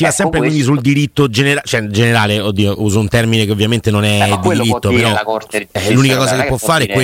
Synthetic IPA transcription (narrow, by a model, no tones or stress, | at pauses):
ivasːɛmpɾekwind̪isuld̪iɾit̪ːod͡ʒeneɾat͡ʃoɛd͡ʒeneɾaːleod̪ːiːoʔuːzount̪ɛrminekeovːjament̪enonɛd̪id̪iɾit̪ːopeɾɔɛlunikakɔːzakeppːwɔfːaːɾeɛkwe